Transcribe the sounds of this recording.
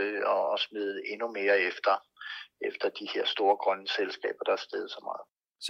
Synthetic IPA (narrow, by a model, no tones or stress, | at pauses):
ɒ̽ɒ̽smið̩ˠəe̝nume̝ːɐefd̥ɐ | efd̥ɐd̥ihe̝ɐ̰sd̥o̝ːɐɡ̥ʁɶnselsɡ̥ɛ̰ːb̥ɐd̥ɑ̈æɐsd̥eð̞ˠsɒ̽mɑ̰̈ːð̩ˠ